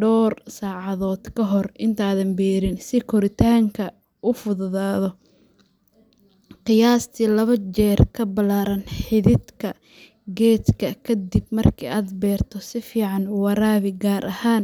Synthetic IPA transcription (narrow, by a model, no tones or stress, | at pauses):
ɖɔːrsaːʕɑðɔːd̪̥kʰɐɦɔrɪnt̪ʰaːðɐmbɛːɾɪnsɪkʰɔɾɪt̪ʰaːŋkʰɐ | ʔʊfʊðʊðaːðɔ | qɪjaːst̪ʰiːlɐβɐt͡ʃɛːrkʰɐbɐlaːɾɐnħɪðɪd̪kʰɐ | ɡɛːt̪kʰɐkʰɐd̪ɪbmɐrkʰḭːaːd̪bɛːrt̪ʰɔsɪfiːʕɑnʊwɑɾaːβɪɡaːɾʔɐhaːn